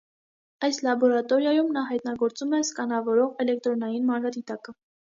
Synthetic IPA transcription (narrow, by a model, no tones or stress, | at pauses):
ɑjslɑbɔɾɑt̪ɔɾjɑjumnɑɦɑjt̪nɑɡɔɾt͡sumɛskɑnɑvɔɾɔʁɛlɛk̚t̪ɾɔnɑjinmɑnɾɑd̪it̪ɑkə